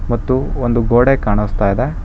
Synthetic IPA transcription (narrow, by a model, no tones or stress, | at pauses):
mɐt̪ːuond̪uɡoːɽekaːɳust̪aːjid̪e